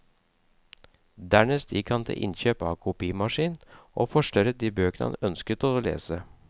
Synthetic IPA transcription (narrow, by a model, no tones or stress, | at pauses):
d̪æːɳeːst̪jɪkhɑnt̪ʰɪ̰lʔɪ̰nçøːpɑːkʰʊpiːəmɑʂiːnn̩ʔoːfɔʂʈœɾəd̪iːbøːkənəɑ̰nœnskət̪oːlḛːsə